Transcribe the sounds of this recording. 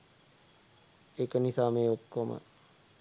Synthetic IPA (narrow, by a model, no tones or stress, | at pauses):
ekənisaːmeːokːomə̰